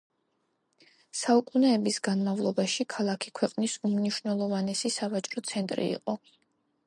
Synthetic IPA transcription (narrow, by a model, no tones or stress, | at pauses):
saukʼunɛːbisɡanmavlˠɔbaʃikʰalˠakʰikʰwɛqʼnisumniʃwnɛlˠɔvanɛsisavat͡ʃʼɾɔt̪sʰɛnt̪ʼɾḭːqʼɔ